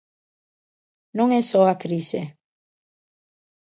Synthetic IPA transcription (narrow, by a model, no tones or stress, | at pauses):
nõŋɛsɔakɾise